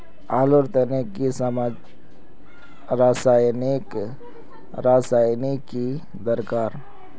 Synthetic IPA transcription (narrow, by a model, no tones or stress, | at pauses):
aːloɾt̪ənekːisəmad͡ʒ | ɾaːsaːjnik | ɾaːsaːjniki | d̪əɾkaːɾ